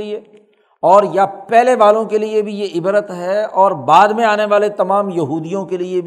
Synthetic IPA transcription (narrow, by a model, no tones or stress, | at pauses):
ie | ɔːɾjapɛːleʋaːlõkeliebʱijeɪbɾət̪ɦɛɔːɾbaːd̪mẽaːneʋaːlet̪ɐmaːmjɐɦuːd̪ijõkeliebʱ